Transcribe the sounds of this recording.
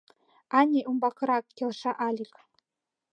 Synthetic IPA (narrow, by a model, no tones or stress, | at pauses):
ɑnʲeʔumbɑkɤ̆ɾɑkkʲːelʂɑʔɑlʲik